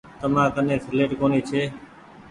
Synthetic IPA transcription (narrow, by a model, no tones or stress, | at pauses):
t̪əmãːk̪ənẽːsʰɪleːʈkoːniːt͡ʃʰeː